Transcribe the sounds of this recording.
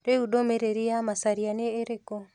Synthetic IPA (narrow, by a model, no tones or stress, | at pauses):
ɾeudomeɾeɾiamasaɾianeɾeko